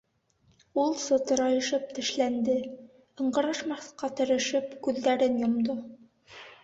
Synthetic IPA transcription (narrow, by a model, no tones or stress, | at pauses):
ulˠsŏt̪ɤ̆ɾɑjɤ̆ʃɤp̚t̪ɘ̆ʃlænd̪ɘ | ɤ̆ɴɢɤ̆ɾɑʃmɑχqɑt̪ɘ̆ɾɘ̆ʃɘpkʉðːæɾɘnjŏmd̪o